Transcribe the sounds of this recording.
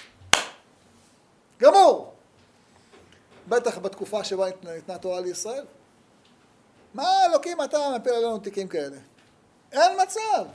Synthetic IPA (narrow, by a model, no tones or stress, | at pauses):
ɡamuʁ | be̞t̪aχbat̪kufaʃebanit̪nat̪oʁaleisʁae̞l | maelokimat̪anapilalenut̪ikimkae̞le̞ | e̞nmat͡sav